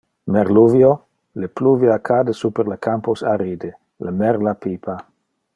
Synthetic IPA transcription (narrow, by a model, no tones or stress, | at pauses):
meɾluvjo | lepluviakʰad̪esupeɾlekʰamposaɾid̪e | lʔamɛɾlapipʰa